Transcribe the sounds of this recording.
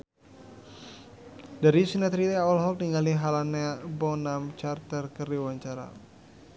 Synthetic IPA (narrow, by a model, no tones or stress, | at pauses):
daɾisinat̪ɾit̪ɛaɔlɦɔk̚niŋaliɦalanabɔnamt͡ʃart̪ərkərdiwaɲt͡ʃaɾa̰